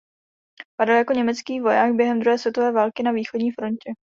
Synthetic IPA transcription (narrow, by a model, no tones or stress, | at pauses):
padaljako̞ɲɛmɛt͡skiːvo̞jaːɡ̚bjɛɦɛmd̪ɾuɦɛːsvjɛt̪ovɛːvaːlkɪnaviːxo̞dɲiːfɾo̞ncɛ